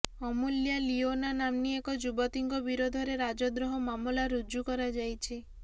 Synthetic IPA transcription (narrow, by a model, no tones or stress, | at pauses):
ɔmuljalionanamniekɔd͡ʒubɔt̪iŋɡɔbiɾod̪ʱɔɾeɾad͡ʒɔd̪ɾɔɦɔmamulaɾud͡ʒukɔɾad͡ʒajt͡ʃʰi